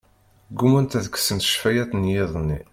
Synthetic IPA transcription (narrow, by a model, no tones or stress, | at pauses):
ɡːumunt̪æðəksənt̪ʃfæjæt̪njɪðˤnːi